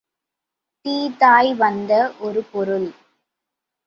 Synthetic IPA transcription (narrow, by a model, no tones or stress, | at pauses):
t̪iːt̪aːjʋɐnd̪ɐʔɔɾɯpɔɾɯl